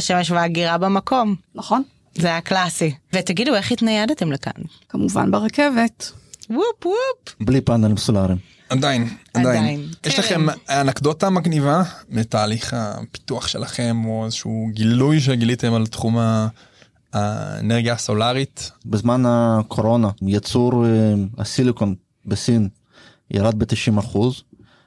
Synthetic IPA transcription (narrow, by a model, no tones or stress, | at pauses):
aʃemeʃvaaɡiʁabamako̞mnaχon | zeajaklasivetaɡidueχit̪najadat̪e̞mleka̰n | kamuva̰nbeʁakevetwupupblipanalmsolaʁim | ad̪ainad̪ajininjɛʃlaχe̞manakdotamaɡnivametaːliχa̰pi̥t̪uaχʃe̞laχe̞mo̞ezeʃuɡilujʃ̬eɡilit̪emalt̪χuma | ḛneʁɡjasolaʁit̪bezmanakʰo̞ɾo̞najat͡suɾa̰silikon | besin | jʔa̰ɾad̪̚bet̪iʃimaχuz